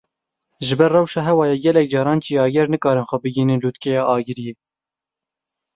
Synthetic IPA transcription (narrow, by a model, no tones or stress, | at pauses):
ʒɪbɛrːɛwʃɑːɦɛwɑːjɛɡɛlɛk̚d͡ʒɑːɾɑːnt͡ʃiːɑːɡɛɾnɨkɑːɾɨnxʷɛbɨɡiːnɨnluːt̪kɛjɑːʔɑːɡɨɾijeː